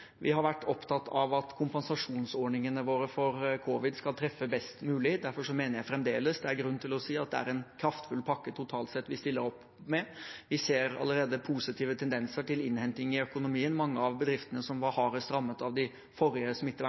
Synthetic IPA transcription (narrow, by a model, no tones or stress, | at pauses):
ʋʔɪ̰ɦɑɾʋæʈːɔpt̪ʰɑt̪ʰːɑʋɑt̪kʰʊmpənsɑʂuːnsoːɳɪŋənəʋoːɾəfɔɾkʰuʋɪd̪skɑlt̪ʰɾɛfːəbɛst̪mʉːlɪd̪æɾfɔʂɔmeːnəɾjæɪfɾɛmd̪eːləsd̪ɛæɾɡɾʉnːt̪ɪlɔsiːɑt̪̚d̪ɛæ̰ɾɛnkʰɾɑft̪fʉlːpʰɑkːət̪ʰʊt̪ʰɑːlt̪sɛt̪ːʋɪst̪ɪlːəɾɔpː | mɛʋɪseːɾɑ̰lːəɾeːd̪əpʰuːsɪt̪ʰiːʋət̪ʰɛnd̪ɛnsəʈɪlɪnhɛnt̪ɪŋəɪœkʊnʊmiːənmɑŋːəɑʋbəd̪ɾɪft̪ənəsɔmʋɑɾhɑːɾəst̪ɾɑmːət̪ɑʋd̪ɪ | fɔɾɪəsɔmɪt̪ːə